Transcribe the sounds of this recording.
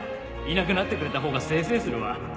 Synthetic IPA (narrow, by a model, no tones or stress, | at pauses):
inak̬ɯ̟nat̪ːe̞kɯ̟ɾe̞t̪aɦo̞ːɡase̞ːse̞ːsɨɾɯ̟βa